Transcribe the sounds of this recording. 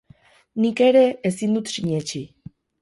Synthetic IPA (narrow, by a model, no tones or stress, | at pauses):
nikeɾeːsind̪ut̪siɲet͡ʃi